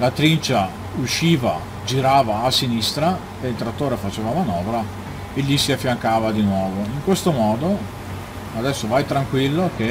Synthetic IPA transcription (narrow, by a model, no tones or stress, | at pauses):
lat̪ɾint͡ʃa | uʃːiːva̰ | d͡ʒiɾaːvaːsinist̪ɾa | eilt̪ɾat̪ːoːɾefat͡ʃeːvamanɔːvɾa | eʎːisiafːjaŋkaːvad̪inwɔːvoiŋkwest̪omɔːd̪o | ad̪ɛsːovajt̪ɾaŋkwilːoke